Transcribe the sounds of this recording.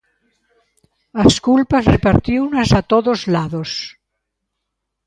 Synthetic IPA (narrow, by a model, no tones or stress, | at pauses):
askulpasrepaɾt̪iwnasat̪oðozlaðos